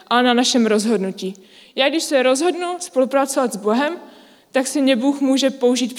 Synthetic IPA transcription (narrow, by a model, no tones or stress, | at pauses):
ʔananaʃɛmɾo̞zɦo̞dnuciː | jaːɡdɪʃsɛɾo̞zɦo̞dnuspo̞lupɾatt͡sovat̪zbo̞ɦɛm | t̪aksɪmɲɛbuːxmuːʒɛpo̞uʒiːt̪p